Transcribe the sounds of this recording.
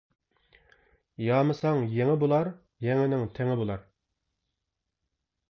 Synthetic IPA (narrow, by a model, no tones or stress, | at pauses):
jɑːmɨsɑŋjeŋɪbolˠɑɾ | jɛŋɪnɪŋt̪ʰɛŋɪbolˠɑɾ